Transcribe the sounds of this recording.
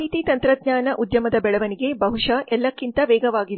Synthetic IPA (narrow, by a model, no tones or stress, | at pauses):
ɦit̪it̪ɐnt̪ɾɐd̪̚ɲaːnɐʔud̪jɐmɐd̪ɐbɛɭɐʋɐniɡe̞bɐɦuʂɐʔɛlːɐkːint̪ɐʋɛːɡɐʋaːɡid̪e